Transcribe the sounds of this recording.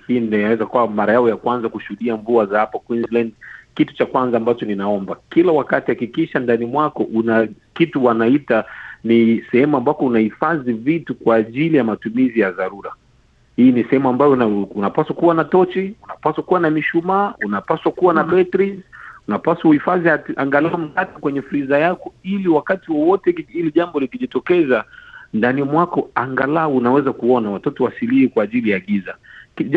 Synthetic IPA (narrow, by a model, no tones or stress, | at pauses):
hindainawɛzakuwamaɾajaɔjakwanzakuʃuhuɗiaɱvuazahapakwinzlandkitu̥t͡ʃakwanzaːmbat͡ʃɔninaɔmbakilawakatihakikiʃandanimwakɔʔunakituwanaitanisɛhɛmuambakɔunahifazivitukwaːʄilijamatumizijaðaɾuɾa | hiːnisɛhɛmuambajɔaunapaswakuwanatɔt͡ʃiunapaswakuwanamiʃumaːunapaswakuwanaɓɛtɾizunapaswaifaziatiʔaŋɡalaɔm̩katikwɛɲɛfɾizajakɔiliwakatiwɔwɔtɛiliʄambɔlikiʄitɔkɛzandanimwakɔaŋɡalaɔunawɛzakuɔnawatɔtɔwasilihikwaːʄilijaːɠizaki